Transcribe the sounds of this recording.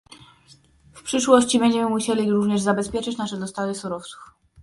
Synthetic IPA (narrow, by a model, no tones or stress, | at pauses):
fpʂɘʂwɔɕt͡ɕibɛɲd͡ʑɛmɘmuɕelʲiɾuvɲɛʐzabɛspʲjɛt͡ʂɘt͡ɕnaʂɛd̪ɔst̪avɘsuɾɔft̪su̥f